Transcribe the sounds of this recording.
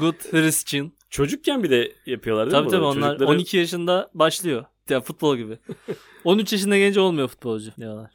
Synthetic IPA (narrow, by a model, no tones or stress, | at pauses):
ɡut̪hɾist͡ʃʰin | t͡ʃʰo̞d͡ʒuk̚cʰænbid̪ɛjapʰɯjo̞lˠaɾd̪ʰabiːt̪ʰabio̞nlˠaɾˠo̞nicʰijaʃɯnd̪abaʃlˠɯjo̞ | janfut̪̚bo̞lˠɟibɪ | o̞nyt͡ʃjaʃ̬ɯnd̪ɛɟɛnd͡ʒo̞lˠmujo̞fu̥t̪̚bo̞lˠd͡ʒʊnejolˠaɾ̥